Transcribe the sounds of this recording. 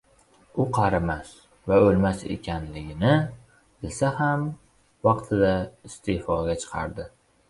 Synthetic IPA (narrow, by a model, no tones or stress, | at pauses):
ʊqʰɑɾɪmas | vaolmasḛkʲʰanlɪɡʲɪnɪ | ɪlsaham | vɑqt̪ʰɪd̪aɪst̪ʰefɒɡʲat͡ʃʰɨ̥qʰɑ̰ɾd̪ɪ